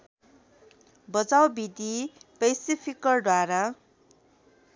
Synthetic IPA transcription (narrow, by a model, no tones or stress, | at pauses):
bʌd͡zawbid̪ipejsipʰikːʌrɖwaɾa